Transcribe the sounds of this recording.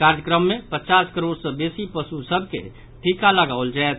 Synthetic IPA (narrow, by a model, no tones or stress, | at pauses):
aɾjəkɾəmːepət͡ʃaskəɾoɽsə̃besipəsusəbʱkḛ | ʈʰikaləɡaʊld͡ʒaet̪ʰ